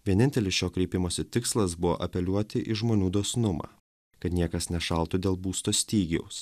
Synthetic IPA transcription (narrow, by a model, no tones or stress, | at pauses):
ʋʲiɛnʲɪnʲt̪ʲɛlʲɪsʃoːkɾʲɛɪpʲɪmoːsʲɪt̪ʲɪkslˠɐsbʊʋo̰ːʔɐpʲɛlʲuɔt̪ʲɪʔɪʒmoːnʲuːd̪oːsʲnʊmɑ̰ː | kɐt̪nʲiɛkɐsnʲɛʃɐlˠt̪ʊd̪ʲeːlˠbuːst̪oːsʲt̪ʲiːɡʲɛʊs